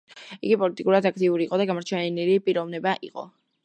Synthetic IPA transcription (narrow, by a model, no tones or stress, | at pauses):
iɡipʼɔlit̪ʼikʼuɾad̪akʰt̪ʼiuɾiːqʼɔd̪aɡamɔɾt͡ʃʰɛnnilipʼiɾɔvnɛbaʔḭqʼɔ̰